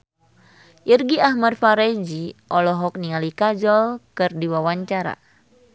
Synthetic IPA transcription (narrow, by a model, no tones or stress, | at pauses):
ʔirɡiahmadfaɾɛd͡ʒiʔɔlɔɦɔk̚niŋalikad͡ʒɔlkɨrdiwawaɲt͡ʃaɾa̰